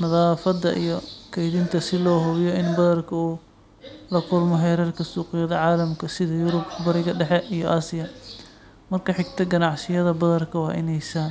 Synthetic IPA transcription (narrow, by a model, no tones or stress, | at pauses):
nɐðaːfɐd̪ɐʔijɔkʰɛjðɪnt̪ʰɐsɪlɔːɦʊβjɔɪnbɐðɐrkʰɐuː | lɐkʰʊlmɔɦɛːɾɛrkʰɐsuːqɪjɐðɐʕɑːlɐmkʰɐsɪðɐjʊɾʊbkbɐɾɪɣɐɖɛħɛʔijɔʔaːsɪjɐ | mɐrkʰɐħɪɡ̚t̪ʰɐɡɐnɑʕsɪjɐðɐbɐðɐrkʰɐwɑːʔɪ̰nɛjsaːn